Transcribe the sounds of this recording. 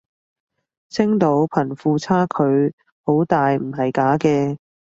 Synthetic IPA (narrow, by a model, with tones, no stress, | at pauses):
t͡sʰɪ˥ŋt̪o˨˥wpʰɐ˨˩nfuː˨˧t͡sʰaː˥kʰɵ˨˧ɥ | ho˨˥wt̪aː˨jm̩˨˩ɦɐ˨jkaː˨˥kɛː˧